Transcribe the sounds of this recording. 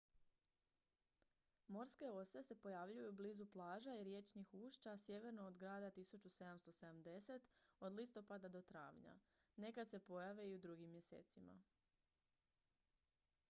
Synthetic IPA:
mo̞ɾske̞o̞se̞se̞po̞jaʋʎujubliːzuplˠaːʒaiɾje̞t͡ʃnixuːʃt͡ʃasje̞ʋe̞ɾnoːd̪ɡɾaːd̪at̪isut͡ʃuse̞d̪amst̪o̞sed̪amd̪e̞se̞t̪od̪list̪o̞pad̪ad̪o̞t̪ɾa̰ːʋɲa̰ | ne̞kad̪se̞po̞jaʋeiud̪ɾuɡimːje̞sḛːt̪sima̰

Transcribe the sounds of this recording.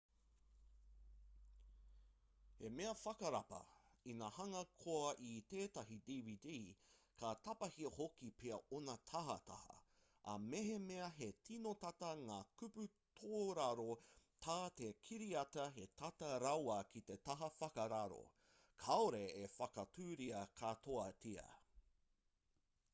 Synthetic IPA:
he̞meɐfɐkɐɾɐpɐ̰inahɐŋɐkʰoɐʔit̪eːtɐɦidiːvidikʰat̪ɐpɐhiɐhokipʰeɐʔonɐt̪ʰɐɦɐ̰t̪ɐ̰hɐ̰ | ɐ̰meɦemeɐɦe̞tʰinotɐtɐŋaːkʉpʉ | t̪ʰoːɾaɾot̪ʰaːt̪ekʰiɾiɐtɐɦe̞tʰɐtɐɾawɐkʰit̪e̞tɐɦɐfɐkɐɾaɾo̰ | kʰaoɾeefɐkɐtʰʉːɾiɐkʰatʰoɐtʰiɐ̰

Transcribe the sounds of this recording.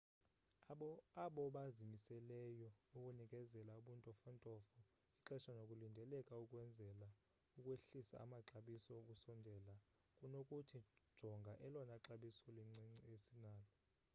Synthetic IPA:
aɓɔɓazimisɛlɛjɔukʼunikʼɛzɛlauɓuntʼɔfɔntʼɔfɔ | iǁɛʃanokʼulindʱɛlɛkʼaukʼwɛnd͡zʱɛla | ukʼweɬisa̰a̰maǁaɓisɔokʼusɔndʱɛla | kʼunokʼutʰid̥ʒ̥ʱɔŋɡʱaʔɛlɔnaǁaɓisɔlŋ͡ǀesinaːlɔ

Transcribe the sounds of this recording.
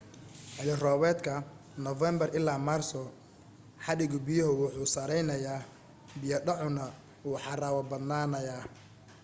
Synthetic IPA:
ħɪlɪrɔːβɛːd̪kʰɐ | nɔvɛmbɐrɪlːaːmaːrsɔ | ħɑɽɪɣʊbɪjɔɦʊwʊħuːsɐɾɛjnɐjaː | bɪjɐɖɐʕʊnɐ | wuːħɑraːwɐbɐd̪naːnɐjaː

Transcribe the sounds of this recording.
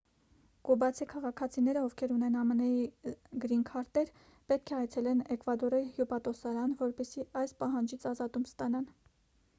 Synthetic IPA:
kɔbɑt͡sʰikʰɑʁɑkʰɑt͡sʰinɛɾəɔvkʰɛɾunɛnɑmənɛjiɡɾinkʰɑɾt̪ɛɾ | pɛt̪̚kʰɛɑjt͡sʰɛlɛnɛkvɑd̪ɔɾɑjihjupɑt̪ɔsɑɾɑnvɔɾpɛsiɑjspɑɦɑnd͡ʒit͡sʰɑzɑt̪umst̪ɑnɑn

